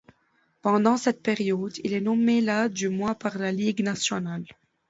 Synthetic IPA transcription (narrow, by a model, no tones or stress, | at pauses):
pɑ̃d̪ɑ̃sɛt̪̚peʁjɔd̪ilɛnɔmelad̪ymwapaʁlaliɡnasjɔnal